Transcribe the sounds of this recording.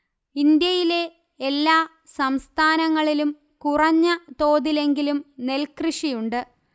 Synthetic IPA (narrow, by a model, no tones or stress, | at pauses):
ind̪jɐjile̞ː | lːaː | sɐmst̪ʰaːnɐŋːɐɭilum | kurɐɲːɐt̪o̞ːðile̞ŋɡilumne̞lkrɨʂijuɳɖɨ